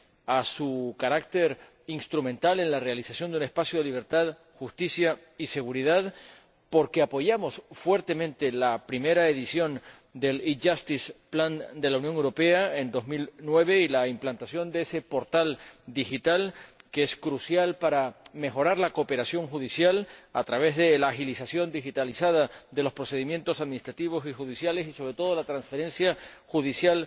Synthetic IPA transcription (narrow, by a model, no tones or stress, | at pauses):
asukaɾak̚t̪e̞ɾ | inst̪ɾumẽnt̪ale̞nlare̞alisasjo̞nd̪eune̞spasjoðeliβ̞e̞ɾt̪að | xust̪isja | ise̞ɣ̞uɾiðað | po̞ɾke̞apo̞ʝamo̞sfwe̞ɾt̪e̞mẽnt̪e̞lapɾime̞ɾaeðisjo̞n | d̪e̞lid͡ʒast̪ispland̪e̞launjo̞ŋewɾo̞pe̞ae̞nd̪o̞zmilnwe̞β̞e̞ilaimplant̪asjo̞nd̪eese̞po̞ɾt̪ald̪ixit̪alkeeskɾusjalpaɾame̞xo̞ɾaɾlako̞pe̞ɾasjo̞ŋxuðisjala̰t̪ɾaβ̞e̞zðe̞laːxilisasjo̞nd̪ixit̪alisað̞ad̪e̞lo̞spɾo̞se̞ð̞imje̞nt̪o̞saðminist̪ɾat̪iβ̞o̞sixuð̞isjale̞sisoβɾe̞t̪o̞ð̞olat̪ɾansfe̞ɾẽ̞nsjaxuð̞isjal